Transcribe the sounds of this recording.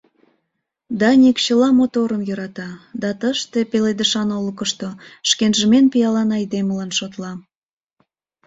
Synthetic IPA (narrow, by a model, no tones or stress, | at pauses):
d̪ɑnʲikɕəlɑmot̪oɾəmjø̆ɾɑt̪ɑd̪ɑt̪əʃt̪epeled̪əʃɑnoləkəʃt̪oʃkenʒəmenpijɑlɑnɑjd̪eməlɑnʃot̪lɑm